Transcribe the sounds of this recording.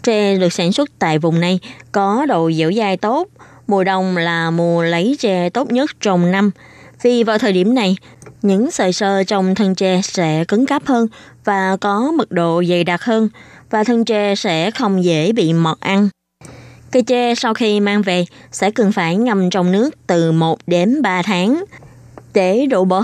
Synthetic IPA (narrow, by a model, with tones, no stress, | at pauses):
t͡ɕɛ˧ɗɨ˨˩ək̚saː˧˩nswə˦˥t̚t̪a̰ː˧˨jvʊ˨˩ŋ͡mna˨˩jkɔ˨˦ɗo̰˧˨zə̰˧˥wzaː˧jt̪o˦˥t̚ | mu˨˩əɗə˨˩wŋ͡mlaː˨˩mu˨˩ələ˨˦jt͡ɕɛ˧t̪o˦˥t̚ɲə˦˥t̚t͡ɕɔ˧wŋ͡mna˧m | vi˨˩vaː˨˩wt̪ʰəː˨˩jɗi˧˩əmna˨˩j | ɲɨ̰˧˥ŋsəː˨˩jsəː˧t͡ɕɔ˧wŋ͡mt̪ʰə˧nt͡ɕɛ˧sɛ̰˧˥kɨ˨˦ŋkə˦˥p̚həː˧n | vaː˨˩kɔ˨˦mɨ˨˩k̚ɗo̰˧˨zə˨˩jɗa˨˩t̚həː˧nvaː˨˩t̪ʰə˧ŋt͡ɕɛ˧sɛ̰˧˥xə˧wŋ͡mzḛ˧˩ɓḭ˧˨mə˨˩t̚ʔa˧n | kə˧jt͡ɕɛ˧sa˧wxi˧maː˧ŋve˨˩sɛ̰˧˥kɨ˨˩nfaː˧˩jŋa˧mt͡ɕɔ˧wŋ͡mnɨ˦˥ək̚t̪ɨ˨˩mo˨˩t̚ɗe˨˦nɓaː˧t̪ʰaː˨˦ŋ | ɗe˧˩ɗo̰˧˨ɓəː˧˦